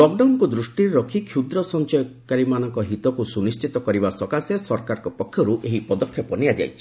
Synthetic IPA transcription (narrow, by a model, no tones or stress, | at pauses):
lɔkɖawnkud̪ɾusʈiɾɾɔkʰikʰjud̪ɾɔsɔnt͡ʃɔjɔkaɾimanɔŋkɔɦit̪ɔkusunist͡ʃit̪ɔkɔɾibasɔkasesɔɾkaɾɔkɔpɔkʰːjɔɾuʔeɦipɔd̪ɔkʰːjɔpɔnijad͡ʒa̰jt͡ʃʰi̥